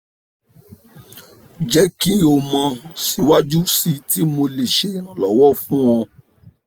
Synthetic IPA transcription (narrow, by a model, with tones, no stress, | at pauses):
d͡ʒɛ˦ki˦o˨mã˧si˧wa˦d͡ʒu˦si˦ti˦mo˧le˨ʃe˨˦ã˨lɔ˨˦wɔ˦fũ˦wɔ̃˧